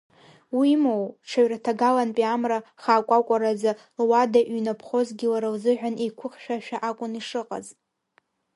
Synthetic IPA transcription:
wimowʈ͡ʂʰaɥratʰaɡalanpʼiamraχaːkʷʼakʷʼaɾaza | lwadaʔɥnapʰχo̞zɡʲɪlaɾawzɨʕᶣʷanekʷʰʊχʃᶣaʃᶣaʔakʷʼʊniʂɨqʼa̰z

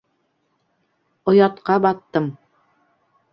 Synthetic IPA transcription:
ŏjɑt̪qɑbɑt̪ːɤm

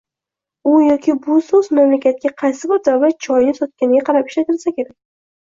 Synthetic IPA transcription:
ʊjɒkʲʰɪbʊsɵzmamlakʲat̪̚kʲaqʰɑjsɪbɒɾd̪awlat̪̚t͡ʃʰɒjɪnɪpsɒt̪̚kʲanɪɡʲaqʰɑɾapɪʃlat̪ʰɪlsakʲʰe̞ɾakʲ

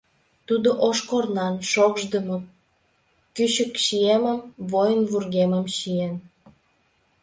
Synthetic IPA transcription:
t̪ud̪oʔoʃkornɑnʃoɣʒd̪əmo | kyɕəkʃieməmvojənβurɣeməmʃien

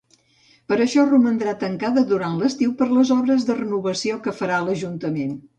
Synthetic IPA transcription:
pəɾəʃɔrumənd̪ɾat̪əŋkaðəðuɾanləst̪iwpəɾləzɔβɾəzðərənuβəsiokəfəɾaləʒunt̪əmen

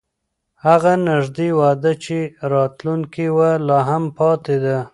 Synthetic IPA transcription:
haɣanɪʒd̪ewɑd̪ət͡ʃeɾɑt̪luŋkiwalɑɦampɑt̪ed̪a

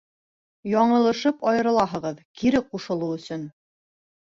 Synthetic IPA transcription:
jɑɴɤ̆lˠɤ̆ʃɤpɑjɤ̆ɾɤ̆lˠɑɦɤ̆ʁɤðkiɾɘquʃɤ̆lˠuɵ̆sɵn

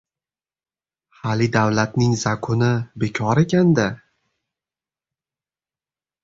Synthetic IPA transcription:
halid̪awlat̪nɪŋzakʰʊnɪbe̞kʲʰɒɾe̞kʲand̪a

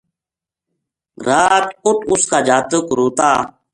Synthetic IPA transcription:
ɾaːt̪kʊt̪ʊskaːd͡ʒaːt̪əkɾoːt̪aː

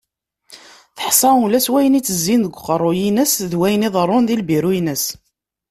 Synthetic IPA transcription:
θə̥ħsˤɑulæswæjənit͡sːəzːinðəɡʷːqːəɾˤːojinəsðwæjənɪðˤərˤːonðilbiɾujnəs

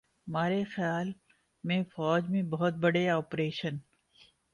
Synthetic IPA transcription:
maːɾexjaːl | mẽfɔːd͡ʒmẽbɐɦʊt̪̚bɐɽeɔːpɾeːʃən

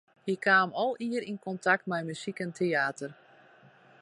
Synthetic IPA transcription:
hikʰaːmɔlˠiəɾinkontʰak̚tmɛjmysikɛntʰeaːtər

